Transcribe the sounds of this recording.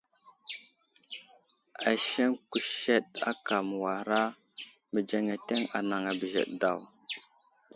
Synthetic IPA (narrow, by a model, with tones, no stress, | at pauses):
a˨ʃe˦ŋku˨ʃe˦ɗa̰˦ka˨m˨wa˨ɾa˦ | mə˨d͡ʒe˨ŋe˨te˦ŋa̰˨na˨ŋa˨bə˨ʒḛ˨ɗda˨w